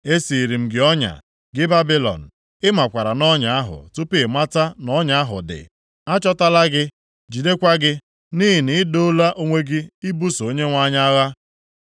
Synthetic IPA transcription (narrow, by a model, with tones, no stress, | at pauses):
e˦si˨i˨ɾi˨m̩˨ɡɪ˨˦ɔ˦ɲa̰˨ | ɡɪ˦ba˦bi˦lɔ̰˨n̩˨ | ɪ˦ma˨kʷa˨ɾa˨nɔ˦ɲa˨a˦ɦʊ̰˨tu˦pɪ˦˨ma˦ta˦nɔ˦ɲa˨a˦ɦʊ˨dɪ̰˨ | a˦t͡ʃɔ˦ta˦la˦ɡɪ˦ | d͡ʒi˨de˦kʷa˦ɡɪ˦ | ni˦ɦi˨ni˨˦do˦la˦ʔo˦ŋʷe˦ɡɪ˦i˦bu˦so˨o˦ɲe˦ŋʷa˦ɲa˦ɣa˦